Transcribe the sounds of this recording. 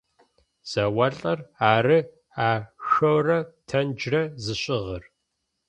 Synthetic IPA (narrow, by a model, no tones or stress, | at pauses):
z̥ɐwɐɬʼɐraːɾɨ | aːxɐwrɐtʰɐnd͡ʒrɐzɨɕʼɪʁər